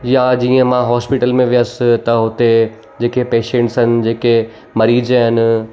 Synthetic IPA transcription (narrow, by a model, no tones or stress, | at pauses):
jad͡ʑiːə̃mãɦɔːspiʈəlmẽʋijəst̪ɐɦʊt̪e | d͡ʑeːkepeːʃẽɳʈsɦɪnɪ̆d͡ʑeːke | mɐɾiːd͡ʑɦɪnɪ̆